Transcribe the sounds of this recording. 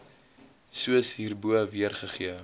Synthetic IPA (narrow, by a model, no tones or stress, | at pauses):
suəsɦiːrbuəviərχəχiə